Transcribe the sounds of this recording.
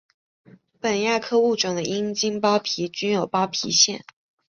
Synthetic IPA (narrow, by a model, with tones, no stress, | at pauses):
pə˨˩nja˥˩kʰɤ˥u˥˩ʈ͡ʂwɑ˨˩d̪ə˦ʔi˥ŋt͡ɕi˥ŋpɑ˥ʊpʰi˧˥t͡ɕy˥njo˨˩ʊpɑ˥ʊpʰḭ˧˥ɕjɛ̰˥˩n